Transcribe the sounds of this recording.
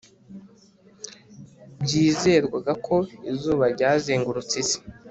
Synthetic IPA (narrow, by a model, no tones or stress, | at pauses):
bɟiːze̞ːɾɡwaɡakʰo̞izuːβaɾɟaːzeːŋɡuɾut͡size̥